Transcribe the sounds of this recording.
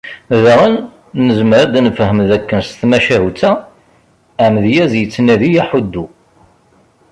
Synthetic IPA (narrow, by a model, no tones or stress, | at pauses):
ðəʁən | nəzməɾad̪nəfhəmðækːənst̪mæʃæɦut͡sːæ | æmðjæzjət͡sːnæðijæħud̪ːu